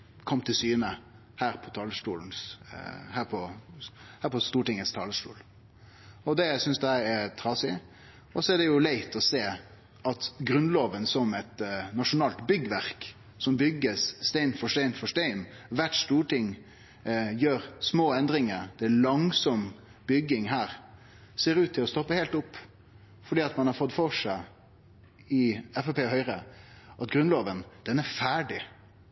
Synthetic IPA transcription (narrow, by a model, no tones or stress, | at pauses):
kʰɔmːt̪ʰɪlsyːnə | hæːɾpʰɔt̪ʰɑːləsʈuːln̩shæːɾpʰɔ | hæːɾpʰɔst̪uːʈɪŋəst̪ʰɑːləsʈṵːl | ɔd̪ɛæɪsʏnsd̪ɛæɛt̪ʰɾɑsɪ | ɔsɔæɖɛjʊlæɪt̪ɔseː | ɑt̪ɡɾʉnloːʋənsɔmɛt̪nɑʂʊnɑːlt̪bʏɡəʋæɾk | sɔmbʏɡəsst̪æɪnfɔʂtæɪnfɔʂt̪æɪnʋæʈst̪uːʈʰɪŋ | jøːɾsmoːɛnd̪ɾɪŋəɾd̪̥ɛɭɑŋsɔm | bʏɡɪŋhæːɾ | seːɾʉːt̪ʰːɪlɔst̪ɔpːəheɪlt̪ʊpː | fɔɖiːɑt̪mɑnhɑɾfɔd̪fɔʂæɪ | ɪɛfɛpʰeːhœʏɾəʔɑt̪ɡɾʉnloːʋənd̪̥ɛnæɾfæːɖɪ